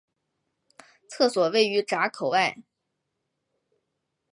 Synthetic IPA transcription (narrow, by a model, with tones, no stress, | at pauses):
t͡sʰɤ˥˩swɔ˨˩we˥˩ɪy˧˥ʈ͡ʂa˧˥kʰo˨˩ʊa˥˩ɪ